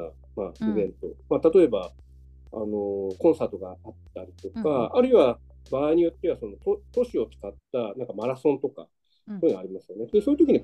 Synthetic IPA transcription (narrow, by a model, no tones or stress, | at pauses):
maibẽ̞nt̪o̞mat̪at̪o̞e̞ba | a̰no̞kõ̞ɰ̃saːt̪o̞ɡaat̪ːaɾʲit̪o̞kkaːɾɯ̟iβa | baːiɲ̟ijo̞t̪ːe̞βaso̞no̞t̪ot̪o̞ɕio̞t͡sɨ̥kat̪ːanãŋkamaɾasõ̞nt̪o̞ka̰ | oɯnaɾʲimasɨjo̞ned̪esojiɯt̪okʲiɲ̟i